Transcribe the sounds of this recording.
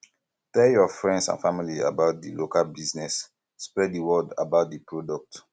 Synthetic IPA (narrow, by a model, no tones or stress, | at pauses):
tɛljɔfɹɛ̃ndsã̰nfamilia̰baʊt̚dilokalbiznɛsː | pɹɛddiwɔda̰baʊt̚dipɹodɔk̚t